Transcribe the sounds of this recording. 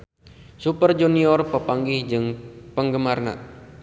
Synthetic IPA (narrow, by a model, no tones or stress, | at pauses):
supərd͡ʒuniɔrpəpaŋɡihd͡ʒɨŋpəŋɡəmarna̰